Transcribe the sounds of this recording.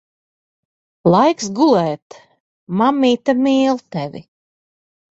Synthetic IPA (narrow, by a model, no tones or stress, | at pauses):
lˠajksɡulˠɛːt̪ | mamːiːt̪amiːlˠt̪ɛvʲḭ